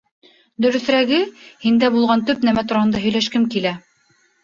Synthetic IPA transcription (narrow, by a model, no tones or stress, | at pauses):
d̪ɵ̆ɾɵ̆θɾæɡɘhind̪æbulˠʁɑnt̪ɵpnæmæt̪uɾɑhɤnd̪ɑɦɵ̆jlæʃkɘmkilæ